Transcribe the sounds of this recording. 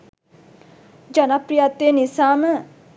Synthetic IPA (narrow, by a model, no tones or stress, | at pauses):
d͡ʒənapɾijat̪ːeːnisaːmə